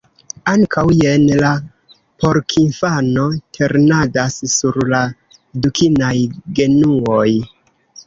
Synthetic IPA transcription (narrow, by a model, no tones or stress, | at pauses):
aŋkʰawjenla | po̞ɾkʰinfano̞tʰe̞ɾnadasːuɾla | dukinajɡe̞nuoj